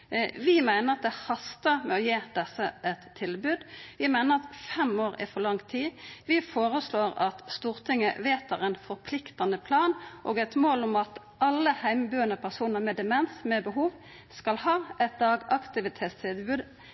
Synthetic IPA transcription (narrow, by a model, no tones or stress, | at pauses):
ʋɪmæɪnəʁɑt̪̚d̪ɛhɑst̪əmɛɔjeːd̪̥ɛsəʔɛt̪ʰːɪlbʉːd̪ʋɪmæɪnəʁɑt̪fɛmoːɾɪ̰fɔʁlɑŋt̪ʰiːʋɪfoːʁəsloːɾɑ̰t̪st̪uːʁt̪ʰɪŋːəʋeːt̪ʰɑʁɛnfɔɾpʰlɪkt̪ɑnəpʰlɑːnʔoːɡɛt̪moːlʊmɑt̪ | ɑlːəhæɪmbyːənəpʰæʁsuːnəʁmɛd̪ɛmɛnsmɛbəɦuːʋ | skɑlhɑːʔɛt̪̚d̪ɑːɡɑkt̪ɪʋɪt̪ʰeːt̪sʰɪd̪bʉːd̪